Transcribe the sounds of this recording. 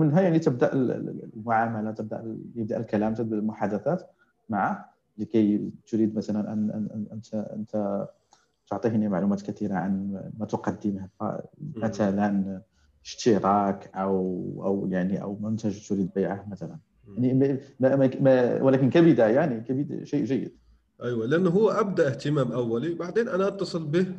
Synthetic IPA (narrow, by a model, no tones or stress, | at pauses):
mənɦæjaʕnit̪əb̚d̪aʔl̰lmʊʕamælæt̪əb̚d̪a̰ʔjəb̚d̪aʔəlkælæmt̪abəlmʊħad̪æθæt̪ | maʕah | likæjt̪ʊɾid̪mæt̪ælænʔə̰n̰ʔʔənt̪ə̰nt̪æ | t̪ʊʕt̪ˤihnimaʕlumæt̪kæt̪iɾaʕanmæt̪ʊqɑd̪ːəmhæfæ̰mæt̪ælæn | əʃt̪iɾˤɑkʔæwʔæ̰wjaʕniʔæ̰wmʊnt̪æʒt̪ʊɾid̪bæjʕahmæt̪ælæn | jaʕnimmæmmæwəlækənkæbid̪ajaʕnikæbid̪ʃejʔʒæjːə̰d̪̥ | ʔæjwaləʔænːɦʊwːʔæb̚d̪aʔəht̪əmæmʔæwːælibaʕd̪enʔænaʔɑt̪ːɑsˤɨlbəh